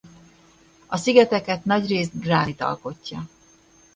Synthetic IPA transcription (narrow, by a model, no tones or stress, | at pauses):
ɒsiɡɛt̪ɛkɛt̪nɒɟreːzd̪̚d̪raːlit̪ɒ̰lko̞cːɒ